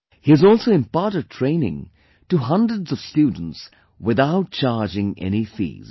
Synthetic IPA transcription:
hiɨzɔlˠsoʊɪ̃mpaːɾətʰɹ̥ẽɪ̃nɪ̰̃ŋ | tuɦʌ̃ndɹədzʌv̥stuːdən̩ts | wɪðaʊt̚t͡ʃaɹd͡ʒɪ̃ŋɛ̰ñifḭːz̥

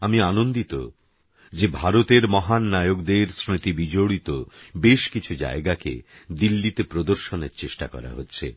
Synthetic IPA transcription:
amianond̪it̪o̰ | d͡ʑebʱaɾot̪eɾmɔɦanːajoɡd̪eɾsɾit̪ibid͡ʑoɽit̪obeʃkit͡ɕʰud͡ʑa̰eɡakḛd̪ilːit̪epɾod̪oɾʃoneɾt͡ɕeʃʈa̰kɔ̰ɾa̰ɦotːɕʰḛ

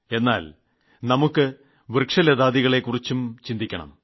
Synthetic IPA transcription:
e̞nːa̰ːl | nɐmukːɨ | ʋirkʂɐlɐðaːðiɣɐɭe̞kːurit͡ɕːumt͡ɕind̪ikʲːɐɳɐ̰m

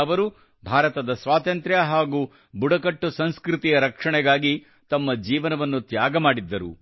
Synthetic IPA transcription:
ɐʋɐɾu | bʱaːɾɐt̪ɐd̪ɐsʋaːt̪ɐnt̪ɾjɐɦaːɡu | buɽɐkɐʈːusɐnskɾut̪ijɐɾɐkʂɐɳɛɡaːɡi | t̪ɐmːɐd͡ʒiːʋɐnɐʋɐnːut̪jaːɡɐmaːɽid̪ːɐɾṵ

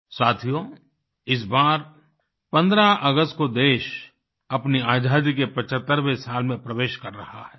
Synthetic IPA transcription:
saːt̪ʰijo | ɪs̬baːɾ | pɐ̃nd̪ɾaʔɐɡəst̪̚kod̪eːʃ | ɐpniaːd͡ʒaːd̪ikepɐt͡ʃət̪ːəɾʋesaːlmẽpɾɐʋeːʃkɐɾːɐhaɦɛː

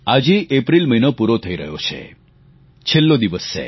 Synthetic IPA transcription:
ad͡ʒiʔepɾilməinopuɾot̪ʰəiɾəɦjot͡ʃʰḛ | t͡ʃʰelːod̪iʋəsːḛ

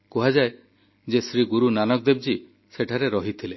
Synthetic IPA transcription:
kɔɦad͡ʒae | d͡ʒesɾiɡuɾunanɔk̚d̪eb̚d͡ʒi | seʈʰaɾeɾɔɦit̪ʰile

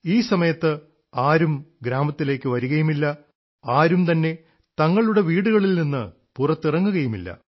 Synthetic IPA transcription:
iːsɐmɐjɐt̪ːɨ | aːɾumɡɾaːmɐt̪ːile̞ːkːɨʋɐɾuɣɐjumilːɐ | aːɾumt̪ɐnːe̞ | t̪ɐŋːɐɭuɽe̞ʋiːɽuɣɐɭilninːɨ | purɐt̪ːirɐŋːuɣɐjumḭlːɐ̰

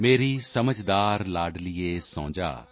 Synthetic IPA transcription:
meːɾisəməd͡ʒd̪aːɾlaːɖlieːsõːd͡ʒa̰ː

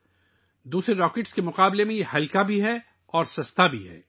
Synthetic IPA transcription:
d̪uːsɾeɾɔːkeːʈskemʊqaːblemẽjehɐlkabʱiɦɛ | ɔːɾsɐst̪ʰabʱiɦɛ̰ː

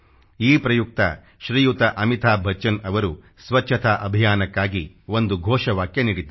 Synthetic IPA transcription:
iːpɾɐjuk̚t̪ɐ̰ | ʃɾiːjut̪ɐʔɐmit̪ʰaːbʱɐt͡ʃːɐnɐʋɐɾu | sʋɐt͡ʃʰːɐt̪ʰaːʔɐbʱijaːnɐkːaːɡi | ʋond̪uɡʱɔːʃɐʋaːkːjɐniɽit̪u

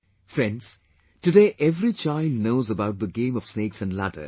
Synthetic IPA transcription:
fɾɛ̃ns | ʈɨɖeːʔɛvɾit͡ʃaɪlɖnoʊzəbaʊʈ̚d̪əɡẽːmɔv̥sneːksæ̃nɖla̰ʈə̰

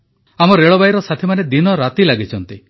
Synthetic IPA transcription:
amɔɾeɭɔbajɾɔsat̪ʰimaned̪inɔɾat̪ilaɡit͡ʃʰɔnt̪i

